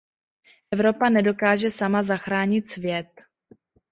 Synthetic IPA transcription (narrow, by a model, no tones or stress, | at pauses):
ʔɛvɾo̞panɛdo̞kaːʒɛsamazaxɾaːɲɪt̪svjɛt̪̚